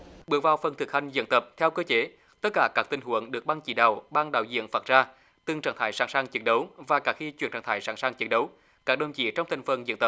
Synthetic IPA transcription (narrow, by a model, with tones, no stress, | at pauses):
ɓɨ˨˩˥əvaː˨˩wfə˨˩nt̪ɨ˨˩k̚ha˧jŋ̟zɨ̰˧˨ənt̪ə˨˩p̚t̪ʰɛ˧wkəː˧t͡ɕe˨˦ | t̪ə˦˥t̚kaː˧˩kaː˦˥k̚t̪ï˨˩ŋ̟ɦu˧˩˨əŋɗɨ˨˩ək̚ɓaː˧ŋt͡ɕḭ˧˩ɗə˨˩wɓaː˧ŋɗa̰ː˧˨wzḭ˧˨ənfaː˨˩t̚zaː˧ | t̪ɨ˨˩ŋt͡ɕaː˧˩ŋt̪ʰaː˧˦jsaː˧˥ŋsaː˧ŋt͡ɕə˨˦n̚ɗə˨˦wvaː˨˩kaː˧˥xi˧t͡ɕwḭ˧˩ənt͡ɕaː˧˩t̪aː˧˩˦jsaː˧˥˩ŋsaː˧ŋt͡ɕə˨˦˥n̚ɗə˨˦w | kaː˦˥k̚ɗə˨˧˩wŋ͡mt͡ɕḭ˧˨t͡ɕɔ˧wŋ͡mt̪ʰŋ̟fə˨˩nzə̰˧˥˨nt̪ə˨˩p̚